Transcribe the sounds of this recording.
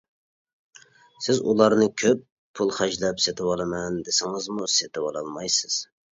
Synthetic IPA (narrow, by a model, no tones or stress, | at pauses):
sɪzulˠɑɾnɨkʲʰøpʰː | ulˠχæd͡ʒlɛpset̪ʰɪwɑlˠɨmɛnd̪esɪŋɪzmuset̪ʰɪwɑlˠɑlˠmɑjsɪz̥